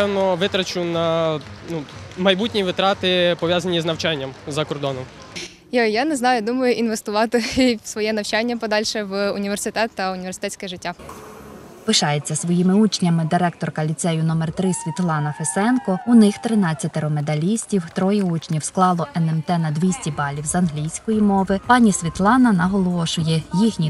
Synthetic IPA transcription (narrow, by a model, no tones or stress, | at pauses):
ɛwnɔʋɪt̪ɾɐt͡ʃʊnɐnumɐjbutʲnʲijʋɪt̪ɾɑt̪ɪpɔʋʲjazɐnʲiznɐwt͡ʃanʲːɐmzɐkɔrd̪ɔnɔm | jɔjaneznɑjʊd̪umɐjʊʔinʋest̪ʊʋɑt̪ɪsʋɔjɛnɐwt͡ʃanʲːɐpɔd̪ɑlʲʃɛʋʊnʲiʋersɪt̪ɛt̪ːɐʊnʲiʋʲersɪ̥t̪ɛt͡sʲkɛʒɪtʲːa | pɪʃɑjet͡sʲːɐsʋɔjimɪut͡ʃnʲɐmɪd̪ɪɾɛk̚t̪ɔrkɐlʲit̪sɛjʊnɔmɛrt̪ɾɪsʲʋʲit̪lˠɑnɐfesɛnkɔʊnɪxt̪ɾɪnɑt͡sʲːɐt̪ɪɾɔmed̪ɐlʲisʲtʲiwt̪ɾɔjɛut͡ʃnʲiwsklˠɑlˠɔʔɛnɛmt̪ɛnɐd̪ʋʲisʲtʲibɑlʲiwzɐnɦlʲijsʲkɔjimɔʋɪpɑnʲisʲʋʲit̪lˠɑnɐnɐɦɔlˠɔʃʊjɛjixnʲi